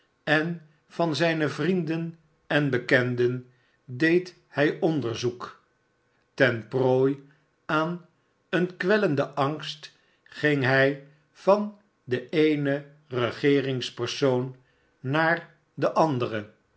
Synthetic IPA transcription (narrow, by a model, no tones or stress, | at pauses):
ɛn | v̥ɑnzɛjnəvrindən | ɛnbəkɛndən | dejt | hɛjɔndəɹzuk | tɛnproːj | aːn | ənkʋɛləndəʔɑŋst | χɪŋɦɛj | v̥ɑn | dəʔejnə | rəχɪːrɪŋspərsownː | aːɹ | dəʔɑndərə